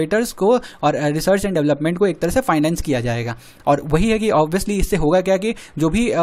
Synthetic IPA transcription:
eːʈəɾzkoɔːɾɾɪsəːɾt͡ʃɛ̃ɳɖɛʋləpmɛ̃ɳʈkoeːk̚t̪ɐɾəɦsefaːɪnɛ̃ːnskijad͡ʒaːḛːɡaː | ɔːɾʋɐɦiɦɛkiʔɔːbʋiəsliɪsːeɦoːɡakjaːkid͡ʒoːbʱi

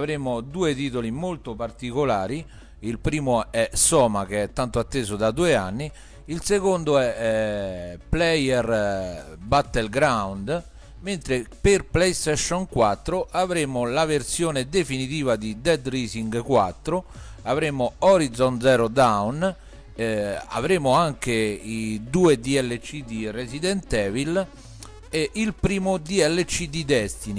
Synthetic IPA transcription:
avɾemʊd̪uːet̪̬iːt̪̬olimolt̪ʊpart̪ikolaːɾi | ilpɾiːmʊɛsɔːmak̟eɛt̪ːant̪ʊat̪ːeːzʊd̪ad̪uːeanːi | ilsekond̪ʊɛ | plɛjɛr | bat̪ːɛlɡɾawnd̪ | ment̪ɾeperplɛjst̪ɛʃːɔnkwat̪ːɾʊʔavɾemʊlaversjoːned̪efinit̪iːvad̪id̪ɛd̪riːsiŋɡkwa̰t̪ːɾʊ | avɾemʊɔɾid̪zɔnt̪zɛːɾʊd̪awn | a̰vɾeːmʊaŋk̟eid̪uːed̪iɛlːet͡ʃːid̪iresid̪ɛnt̪ɛːvil | ɛʔilpɾiːmʊd̪iɛlːet͡ʃːid̪id̪ɛst̪ini

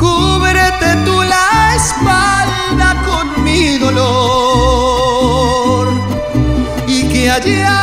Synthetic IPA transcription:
kuβeɾet̪et̪ulaespal | d̪akonmiðolo | ɾ | ikead͡ʒia

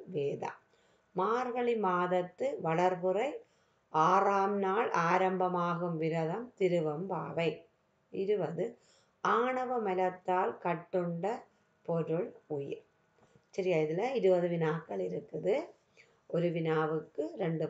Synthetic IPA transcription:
ʋeːða̰ | maːɾɣɐɭɪmaːðɐt̪ːɯʋɐɭɐɾpɯrɐɪ | ʔaːraːmnaːɭʔaːɾɐmbɐmaːɣɯmʋɪɾɐðɐmt̪ɪɾɯʋɐmba̰ːʋɐɪ | ɪɾɯʋɐðɯ | ʔaːɳɐʋɐmɐlɐt̪ːaːlkɐʈːɯɳɖɐ | pɔɾɯɭʊjɪ̰ɾ | sɐɾɪjaːɪðɪlːɐɪɾɯʋɐðɯʋɪnaːkːɐɭɪɾɯkːɐðɯ | ʔɔɾɯʋɪnaːʋɯkːɯɾɛɳɖɯ

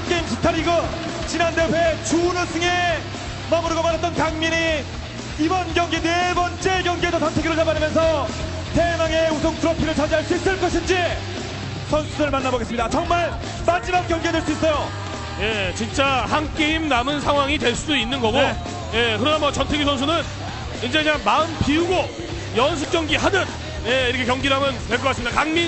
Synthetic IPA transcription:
haŋk͈e̞imsu̥tʰaɾiɡʌ | t͡ɕinandewet͡ɕunɯsʰɯŋe̞ | mamuɾuɡomanat͈̚ʌnkaŋmiɲi | ibʌnɡjʌŋɡine̞bʌnt͡ɕ͈e̞ɡjʌŋɡes̬ʰʌt͡ɕʌntʰeɡiɾɯɭt͡ɕabaɾimjʌns̬ʰʌ | temaŋeusʰoŋtʰɯɾʌpʰiɾɯɭt͡ɕad͡ʑiɦaɭs͈uis͈ɯɭk͈ʌɕʰind͡ʑi | sʰʌnsʰudɯɭmanːaboɡes͈ɯmɲidat͡ɕʌŋmaɭ | mad͡ʑimak̚k͈jʌŋɡedweɭs͈uis͈ʌjo | je̞t͡ɕint͡ɕ͈ahaŋk͈eimnamɯnsʰaŋwaŋitwe̞ɭs͈udoinːɯnɡʌɡo | je̞kɯɾʌnamʌt͡ɕʌntʰeɡisʰʌnsʰunɯn | ind͡ʑe̞kɯɲaŋmaɯnpiuɡo | jʌns̬ʰuk͈̚jʌŋɡiɦadɯn | jeiɾʌkʰe̞kjʌŋɡiɾɦamʌntwe̞ɭk͈ʌkas͈ɯmɲidakaŋmi

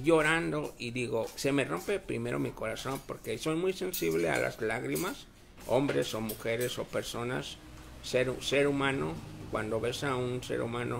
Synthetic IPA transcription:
joɾand̪oiðiɣosemerompepɾḭmeɾo̰mikoɾasompoɾkesojmujsensiβlea̰lʔa̰slaɣɾimas | o̰mbɾesomuxeɾesopeɾsonasː | eɾuseɾumanokwa̰nd̪oβesaunsḛɾṵmanʔo

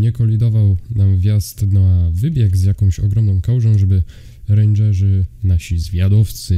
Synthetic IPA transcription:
ɲɛkɔlʲid̪ɔvawnamvʲjast̪navɘbʲjɛɡzjakɔ̃w̃ɕɔɡɾɔmnɔ̃w̃kawʐɔ̃w̃ʐɛbɘ | ɾɛnd͡ʒɛʐɘnaɕizvʲjad̪ɔft̪sɘ

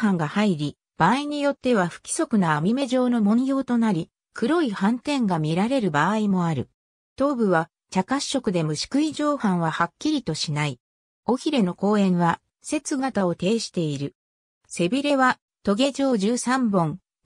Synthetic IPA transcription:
hãŋɡahaiɾʲi | b̥aːiɲ̟ijo̞t̪ːe̞βaɸɯ̟̥kʲi̥so̞kɯ̟naːmʲime̞ʑo̞ːno̞mõ̞ɰ̃jo̞ːt̪o̞naɾʲi | kɯ̟ɾo̞ihãnt̪ẽ̞ŋɡamʲiɾaɾe̞ɾɯ̟baːimo̞aɾɯ̟ | t̪o̞ːbɯ̟βa | t͡ɕakaɕːo̞kɯ̟d̪e̞mɯ̟ɕi̥kɯ̟iʑo̞ːhãɰ̃β̞ahakʲːiɾʲit̪o̞ɕinai | o̞çiɾe̞no̞ko̞ːẽ̞ɰ̃βa | se̞t͡sɨɡat̪ao̞t̪e̞ːɕi̥t̪e̞iɾɯ̟ | se̞bʲiɾe̞βa | t̪o̞ɡe̞d͡ʑo̞ːʑɨːsãmbõ̞ŋ

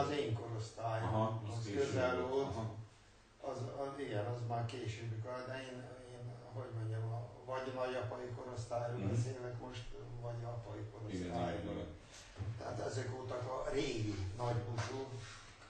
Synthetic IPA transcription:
zeːŋko̞ɾo̞st̪aːjoɒskøzɛlvoːt̪ | ɒziɡɛnɒzmaːrkeːʃøːbikɒd̪ɛeːneːnɦo̞ɟmo̞ɲɟɛmɒvɒɟnɒɟɒpɒjiko̞ɾo̞st̪aːjɾoːlbɛseːlɛkmo̞ʃt̪vɒɟɒpɒiko̞ɾosst̪aːjon | t̪ɛɦat̪ɛzɛkoːt̪ɒkɒreːɡinɒɟbut̪u

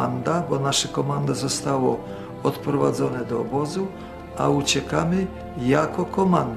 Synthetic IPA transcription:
and̪abɔnaʂakɔmand̪azɔst̪awɔ | ɔt̪pɾɔvad̪zɔnɛd̪ɔːbɔzu | aut͡ɕɛkamɪ | jakɔkɔmand̪

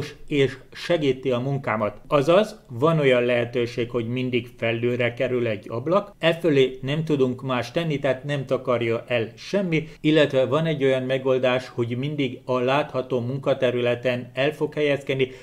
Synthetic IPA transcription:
ʃeːʃ | ʃɛɡiːt̪iɒmuŋkaːmɒt̪ɒzɒzʋɒno̞jɒnlɛɦɛt̪øːʃeːkho̞ɟmind̪iɡfɛlːøːɾɛkɛɾylɛɟːɒ̰blɒkɛføleːnɛmt̪ud̪uŋkmaːʃt̪ɛnːit̪aːt̪nɛmt̪ɒkɒrjɒʔɛlʃɛmːiilːɛt̪ʋɛvɒnɛɟːo̞jɒmmɛɡo̞ld̪aːʃho̞ɟmind̪iɡɒlaːt̪hɒt̪oːmuŋkɒt̪ɛɾylɛt̪ɛnɛlfo̞khɛjɛskɛd̪ːi

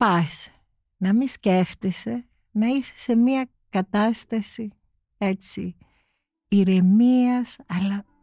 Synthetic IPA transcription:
pɐse̥ | nɐmisce̞ft̪ise̞ | nɐise̥se̞miɐ | kɐt̪ɐst̪ɐsi | e̞t͡si | iɾe̞miɐsɐlɐ

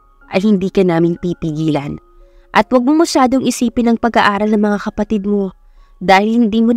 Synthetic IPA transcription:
ʔɐjhɪnd̪iːkɐnaːmɪnpipɪɡiːlɐn | ʔɐt̪wɐɡ̚momɐʃaːd̪oŋʔɪsiːpɪnɐŋpɐɡaʔaːɾɐlnɐŋmɐŋakɐpɐt̪ɪd̪̚mo̞ | d̪aːhɪlhɪnd̪iːmo

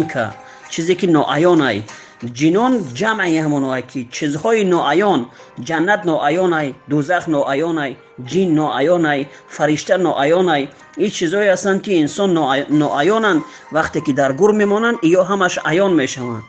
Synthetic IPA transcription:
kʰa̰ | t͡ʃʰizikinɔ̰ʔajɔnaj | d͡ʒinɔnd͡ʒamajamɔnɔajkʰit͡ʃʰizhɔinɔʔajɔn | d͡ʒanːat̪nɔʔajɔnajd̪uzaχnɔʔajɔnaj | d͡ʒinːɔajɔnaj | faɾiʃt̪anɔʔajɔnaj | it͡ʃʰizɔeast̪and̪kiːnsɔnnːɔʔajɔnand̪ | vaχt̪ekid̪aɾɡuɾme̞mɔnand̪ijɔɦamaʃajɔnme̞ʃava̰nd̪̥

